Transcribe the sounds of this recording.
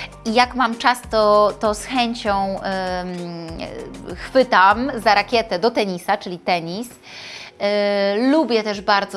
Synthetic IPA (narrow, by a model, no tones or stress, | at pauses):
ijakmamt͡ʂast̪ɔt̪ɔsxɛɲt͡ɕɔ̃w̃ | xfɘt̪amzaɾakʲjɛt̪ɛd̪ɔt̪ɛɲisat͡ʂɘlʲit̪ɛɲis | lubʲjɛt̪ɛʐbaɾd̪zɔ